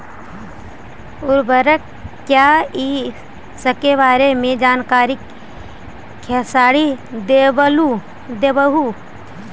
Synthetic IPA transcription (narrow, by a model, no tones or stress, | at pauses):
ʊɾbəɾək | kːjaːi | səkeʋaːɾemẽd͡ʒaːnkaːɾɪk | ɛːsaːɽid̪eːbəlu | d̪eːbəɦu